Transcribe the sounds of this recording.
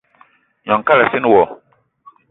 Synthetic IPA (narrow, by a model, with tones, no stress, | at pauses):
ɲɔ̃˨ŋ˨ka˦la˨si˦n˦wɔ˨